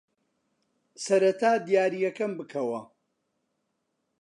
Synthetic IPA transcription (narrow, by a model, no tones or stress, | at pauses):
sɐɾɐt̪ʰaːd̪ijaːɾijɐkɐmbɨkʰɐwɐ